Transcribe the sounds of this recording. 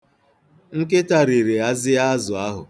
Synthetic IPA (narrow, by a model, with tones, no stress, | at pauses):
ŋ̩˦ke˦ta˨ɾi˨ɾe˨a˦zɪ˦a˦zʊ˨a˦ɦʊ̰˨